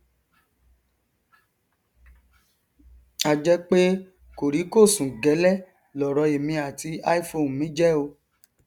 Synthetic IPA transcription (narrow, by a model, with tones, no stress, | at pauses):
a˦d͡ʒɛ˦k͡pe˦ | ko˨ɾi˨˦ko˦˨sũ˨ɡɛ˨˦lɛ˦˨ | lɔ˨ɾɔ˧e˨mĩ˧a˨ti˧a˦i˦fo˧˨n˨mĩ˨˦d͡ʒɛ˦o˧